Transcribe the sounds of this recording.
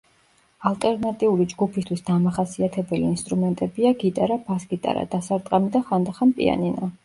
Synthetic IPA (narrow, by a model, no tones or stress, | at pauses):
alˠt̪ʼɛɾnat̪ʼiulid͡ʒɡupʰist̪ʰwisd̪amaχasiat̪ʰɛbɛliːnst̪ʼɾumɛnt̪ʼɛbiaɡit̪ʼaɾabasɡit̪ʼa̰ɾa̰d̪̥asaɾt̪ʼqʼamid̪aχand̪aχanpʼḭa̰nina